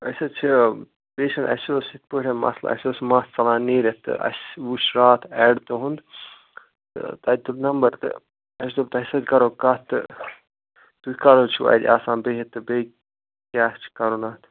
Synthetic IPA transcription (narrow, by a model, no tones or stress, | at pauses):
ɐsɐt͡ʃʰi | peːʃɐnɐ̰soːsit̪̚ʰpuʈʲɐnmɐ̰sla̰ɐ̰sʲoːsmast͡sɐlaːniːɾet̪ɨ̰ɐ̰sʋuʃɾaːt̪ʰɛːɽt̪ɨɦund̪ | t̪ɨ̰t̪ɐd̪ʲt̪uɾnɐmbɐɾt̪ɨ̰ | ɐs̬d̪ob̚t̪ɐsɐd̪ʲkɐɾokɐt̪ɨ̰ | t̪ukɐɾoːt͡ʃʰṵɐ̰d̪ʲaːsãːnbeɦit̪ːɨbe | kʲaːt͡ʃʰi̥kɐɾunat̪ʰ